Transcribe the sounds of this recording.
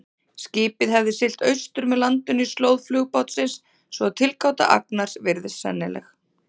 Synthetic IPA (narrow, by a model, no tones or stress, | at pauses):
sciːpɪðɦɛvðɪsɪl̥t̪œɥst̪ʏɾmɛðlant̪ʏnislowðflʏɣpawt̪sɪnsː | vɔaðt̪ʰɪlkawt̪a̰ʔa̰knaɾ̥svɪɾðɪsɛ̰nːɪlɛ̰x